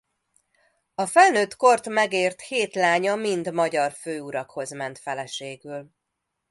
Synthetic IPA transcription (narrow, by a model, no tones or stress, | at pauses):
ɒfɛlnøːt̪ko̞rt̪mɛɡeːrt̪heːt̪laːɲɒmind̪mɒɟɒrføːuɾɒkho̞zmɛnt̪fɛlɛʃeːɡyl